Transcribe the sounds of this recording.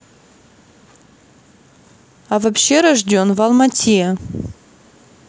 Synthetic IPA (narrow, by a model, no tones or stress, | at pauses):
avapɕːeɾaʐdʲo̞nvɐlˠmɐtʲʰija